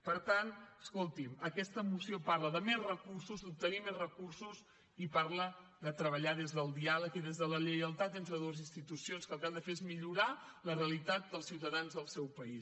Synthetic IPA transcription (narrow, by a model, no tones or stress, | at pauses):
pəɾt̪anəskolˠt̪iməkɛst̪əmusiopaɾləðəmezrəkursuzd̪up̚t̪ənimezrəkursus | ipaɾləd̪ət̪ɾəβ̞əʎaðezðəlˠd̪ialəkiðezðələʎəjəlˠt̪at̪ent̪ɾəðoəzinst̪it̪usionskəlˠkalˠd̪əfeezmiʎuɾa | ləreəlit̪at̪̚d̪əlˠsiwt̪əðanzðəlˠsɛwpəis